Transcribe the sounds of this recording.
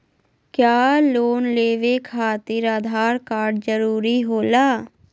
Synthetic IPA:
kjaːloːnleːʋeːkʰaːt̪ɪɾaːd̪ʱaːɾkaːɾɖd͡ʒəɾuːɾiːɦoːlaː

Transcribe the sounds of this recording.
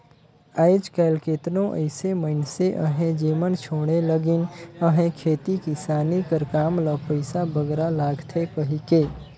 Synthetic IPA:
aɪd͡ʒkɛːlkeːt̪nõʔə̰ɪseməɪnseʔəɦẽd͡ʒiːmənt͡ʃʰoːɽ̃eləɡɪnəɦẽkʰeːt̪ikisaːnikəɾkaːmləpəɪsabəɡɾalaːɡt̪ʰekəɦikeː

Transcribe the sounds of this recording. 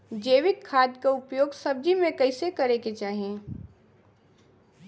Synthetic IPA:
d͡ʒeːʋɪkʰːaːd̪kaʊpjoːɡsɐb̚d͡ʒimẽkɐɪsekɐɾeket͡ʃaːɦiẽː

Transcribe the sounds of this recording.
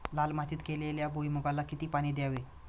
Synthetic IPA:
lalmat͡ɕ̪iːt̪keleljabojmuɡalakit̪iːpaɽ̃iːd̪jaʋe

